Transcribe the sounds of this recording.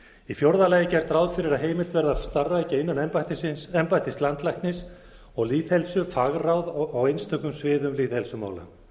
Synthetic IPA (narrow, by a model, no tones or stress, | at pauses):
ifjowɾðalajɪcɛɾ̥t̪ɾawðfɪɾɪɾaɦeːjmɪlt̪vɛɾðast̪arːaɛjcaɪnːanɛmpajt̪ɪsɪɛmpajht̪ɪst̪lant̪lajkt̪nɪs | ɔɣliːðhɛlsʏfaɣrawðɔɣejnst̪ʰœkʏmsvɪːðʏmliːθhɛlsʏma̰ːwla̰